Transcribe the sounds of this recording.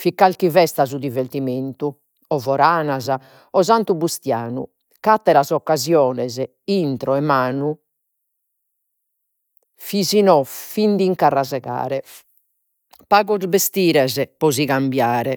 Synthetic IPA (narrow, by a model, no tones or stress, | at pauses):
fikːalkivɛst̪azud̪iveɾt̪iment̪u | ɔvɔɾaːnaza | ɔzant̪ubust̪jaːnṵ | kat̪ːɛɾazɔkːazjɔːnɛzɛ | int̪ɾɔɛmaːnu | fizinɔfind̪iŋkarːazɛɣa̰ːɾɛ | paːɣɔzbest̪iːɾɛzɛpɔziɣambjaːɾɛ